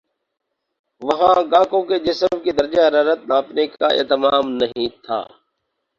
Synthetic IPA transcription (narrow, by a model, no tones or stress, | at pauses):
ʋɐɦãɡãːkõked͡ʒɪsəmkid̪ɐɾd͡ʒaɦɐɾaːɾət̪̚nãːpnekaḛːt̪ɪmaːmnɐɦĩt̪ʰa̰ː